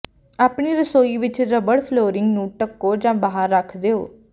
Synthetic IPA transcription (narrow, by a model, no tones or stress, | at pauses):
aːpɳiːɾəsoːiːʋɪt͡ʃɾəbəɽpʰloːɾɪŋɡnũːʈəkːoːd͡ʒãːbaːɦəɾːəkʰd̪eːoː